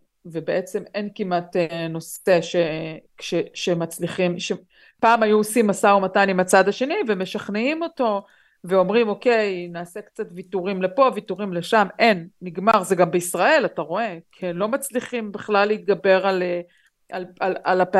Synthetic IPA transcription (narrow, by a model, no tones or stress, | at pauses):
ve̞beʔe̞t͡se̞me̞nkimat̪eno̞seʃe | ʃeʃemat͡sliχimʃe | paːmajuosimːasaumatajnimat͡sad̪aʃe̞niveme̞ʃaχneimo̞to̞ | veo̞mʁimo̞ke̞jnaːse̞kt͡satvituʁimle̞po̞vituʁimle̞ʃame̞nːiɡmaʁzeɡambeisʁae̞lataʁo̞e̞kielo̞mat͡sliχimbiχlalːeit̪̚ɡabe̞ʁale | ʔalalalap